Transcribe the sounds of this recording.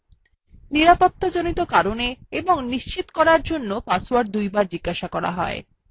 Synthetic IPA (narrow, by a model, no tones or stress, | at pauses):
niɾapot̪ːad͡ʑonit̪okaɾoneeboŋniʃt͡ɕit̪o̥kɔɾaɾd͡ʑonːopasowaɾd̪ujbaɾd͡ʑiɡːaʃakɔɾa̰ɦɔ̰e